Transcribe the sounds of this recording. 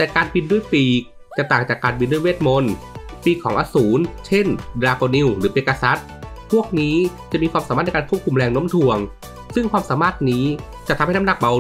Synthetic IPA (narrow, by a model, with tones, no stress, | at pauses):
t̪ɛː˨˩kaː˧nbi˧ndu˥˩əjpiː˧˩ | t͡ɕa˨˩t̪aː˨˩ŋt͡ɕaː˨˩kːaː˧nbi˧ndu˥˩˨jweː˥˩t̪̚mo˧n | piː˧˩kʰɔː˩˦ŋʔaː˧suː˩˦nt͡ɕʰe˥˩ndɾaː˧koː˧ni˧˨wɾɯː˩˦ʔeː˧˩kːa˧sa˦˥t̪̚pʰu˥˩ək̚niː˦˥t͡ɕa˨˩ʔmiː˧kwaː˧ma˨˦aː˥˩n˧kːnkʰu˥˩p̚kʰu˧mɾɛː˧ŋno˦˥mt̪ʰu˧˩əŋ | sɯ˥˩ŋkʰwaː˧msaː˩˦maː˥˩t̪̚niː˦˥ | t͡ɕa˨ʔt̪ʰa˧ma˥˩na˦˥na˨˩k̚ba˧